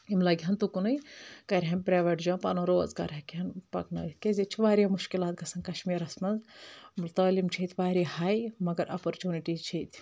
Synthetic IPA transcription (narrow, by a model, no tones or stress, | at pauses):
imlɐɡʲɦɐnt̪ukunɨjkɐɾʲɦɐnpɾaːʋeʈd͡ʒãːnpa̰ːnoːɾoːzkɐ̰ɾɐkiɐnpɐ̰knɐ̰ːit̪ʰkezit͡ʃʰiʋaːɾamuʃkilaːt̪̚ɡɐsɐnkɐʃmiːɾɐsmɐnzmult̪ɐːlimt͡ʃʰit̪ʰʋaːɾihaːjmɐɡɐɾɐpoɾt͡ʃuːniʈizt͡ʃʰit̪ʲʰ